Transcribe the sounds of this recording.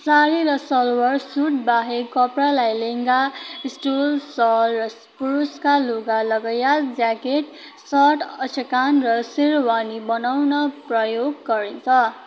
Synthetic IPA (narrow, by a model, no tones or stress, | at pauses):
saɾiɾʌsʌlwʌrsuʈ̚baɦekʌpralajleŋɡaisʈolsʌlrʌspuɾuskaluɡalʌɡʌjald͡zakeʈ | sʌʈʰʌt͡sʰekanrʌsiɾwanibʌnawnʌprʌjoɡːʌɾint͡sʰʌ